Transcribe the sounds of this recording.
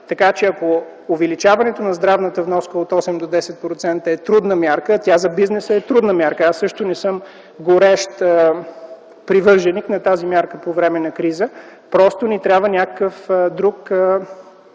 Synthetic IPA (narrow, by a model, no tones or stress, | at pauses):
t̪ɐkat͡ʃɛɐko | ovɛlit͡ʃavɐnɛt̪onɐzd̪ɾavnət̪əvnɔskəot̪ɔsɛmd̪od̪ɛsɛt̪̚pɾot̪sɛnt̪əɛt̪ɾud̪nəmjaɾkət̪ʲjazɐbiznɛsəɛt̪ɾud̪nəmʲjaɾkəasːɤʃt̪onɛsɤm | ɡoɾɛʃt̪ | pɾivɤɾʒɛniknɐt̪azimʲjaɾkəpovɾɛmɛnɐkɾizə | pɾɔst̪onit̪ɾʲabvənʲakə̥kəfd̪ɾuk